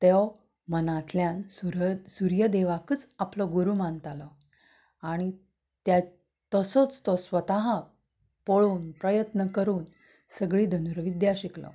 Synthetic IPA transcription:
t̪ew | mənat̪ljansuɾsuɾjəd̪eʋakət͡saplɔɡuɾumant̪alɔ | aɽ̃i | t̪ja | t̪əsɔt͡st̪ɔsʋət̪aɦa | poɭuːnpɾəjət̪nəkəɾuːn | səɡɭiːd̪ʱənuɾʋid̪jaɕiklɔ̰

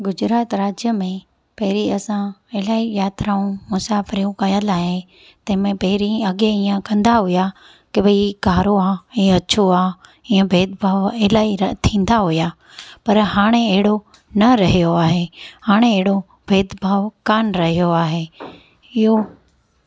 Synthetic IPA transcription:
ɡʊd͡ʑɾaːt̪ɾaːd͡ʑjəmẽ | pɐɦɪɾiɐsãɪlaːijaːt̪ɾaːũmʊsaːfɪɾijũkɐjəlaːɦe | t̪ɐ̃ɦmẽpɐɦɪɾiɐɠeiːə̃kɐ̃nd̪aɦʊja | kɪbɐiɡʱaːɾoaːiɐt͡ɕʰoaː | ĩːə̃bʱeːd̪̚bʱaːʋelaːit̪ʰĩːn̆d̪aɦʊja | pɐɾɦaːɽ̃eɐɦɪɽo | nɐɾɐɦijoaːɦehaːɽ̃eɐɦɪɽo | bʱeːd̪bʱaːʋkaːnɾɐɦijoaːɦe | ɪɦo

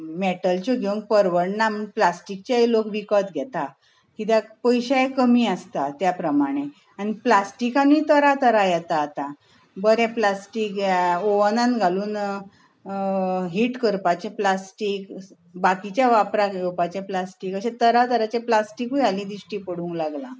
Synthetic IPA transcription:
meʈəlt͡ɕɔɡʱeũŋk̚pəɾʋəɽnaməplasʈik̚t͡ɕailokʋikɔt̪ɡʱɛt̪a | kit̪̬apəjɕajekəmiːast̪at̪japɾəmaɽ̃e | aɽ̃iplasʈikãnuit̪əɾat̪əɾajɛt̪aːt̪a | bəɾɛ̃plasʈiːkoʋnãnɡʱaluːn | ɦiʈkəɾpat͡ɕẽplasʈik | bakit͡ɕjaʋapɾajewpat͡ɕẽplasʈikəɕẽt̪əɾat̪əɾat͡ɕeplasʈikualĩːd̪ɾiɕʈiːpəɽũŋklaɡlã

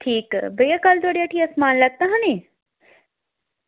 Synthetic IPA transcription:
ʈʰiːkbɐjakɐlt̪oːɽijaːʈʰiɐsmaːnlɐt̪aɦãni

